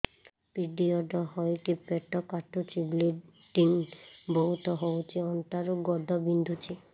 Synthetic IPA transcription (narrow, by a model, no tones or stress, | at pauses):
piɖiɔɖɔɦɔjkipeʈɔkaʈʰut͡ʃʰibleɖinbɔɦut̪ʰɔɦowt͡ʃʰiɔnt̪aɾuɡɔdʱɔbind̪ʱut͡ʃʰi